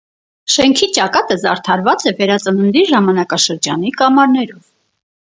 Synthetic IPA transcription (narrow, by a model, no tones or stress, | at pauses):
ʃɛŋkʰit͡ʃɑkɑt̪əzɑɾt̪ʰɑɾvɑt͡sɛvɛɾɑt͡sənənd̪iɾʒɑmɑnɑkɑʃəɾd͡ʒɑnikɑmɑɾnɛɾɔv